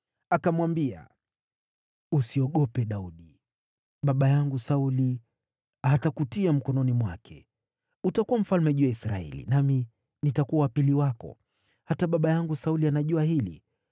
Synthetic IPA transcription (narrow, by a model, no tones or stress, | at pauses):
akamwambia̰ | usiɔɠɔpɛɗauɗi | ɓaɓajaŋɡusauli | atakutiam̩kɔnɔnimwakʰɛ̰ | utakuwam̩falmɛʄujaisɾa̰ɛ̰lḭnami | nitakuawapiliwakɔ̰ | hataɓaɓajaŋɡusaulianaʄuahilḭ